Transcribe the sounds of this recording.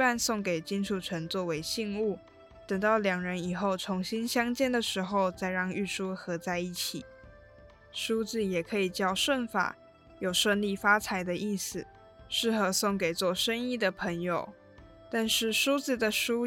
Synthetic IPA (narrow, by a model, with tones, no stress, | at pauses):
a˥˧nsʊ˥˩ŋke˨˩ɪt͡ɕi˥nʈ͡ʂʰu˨˩ʈ͡ʂʰə˧˥nt͡swɔ˥˩we˧˥ɪɕi˥˧nu˥˩ | t̪ə˨˩t̪ɑ˥˩ʊljɑ˨˩ŋɻə˧˥ni˨˩xo˥˩ʊʈ͡ʂʰʊ˧˥ŋɕi˥nɕjɑ˥ŋt͡ɕjɛ˥˩nd̪ə˩ʂɻ̩˧˥xo˥˧ʊt͡sa˥˧ɪɻɑ˥˧ŋy˥˩ʂu˥xɤ˧˥t͡sa˥˧ɪi˥˩t͡ɕʰi˨˩˦ | ʂu˥t͡sɹ̩˥˩jɛ˨˩kʰɤ˧˥i˨˩t͡ɕjɑ˥˧ʊʂwə˥˩nfa̰˨˩˦ | jo˨˩ʊʂwə˥˧nli˥˩fa˥t͡sʰa˧˥ɪd̪ə˧ʔi˥˩sɹ̩˨˩ | ʂɻ̩˥˩xɤ˧˥sʊ˥˩ŋke˨˩ɪt͡swɔ˥˩ʂə˥ni˥˩d̪ə˩pʰə˧˥ŋjo˨˧ʊ | t̪a˥˧nʂɻ̩˥˩ʂu˥t͡sɹ̩˥˩d̪ə˩ʂu˥